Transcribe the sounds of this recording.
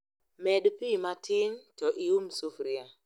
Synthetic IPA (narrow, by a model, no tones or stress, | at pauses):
mɛdpimatɪntɔʔiumsufɾia